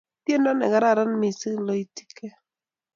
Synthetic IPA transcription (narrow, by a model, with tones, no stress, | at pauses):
t̪je˦nɔ˦nɛ̰˨ɡa˨ɾa˦˨ɾa˦nmɪ˨sɪ˦lɔ˦i˦ti̥˦ke˦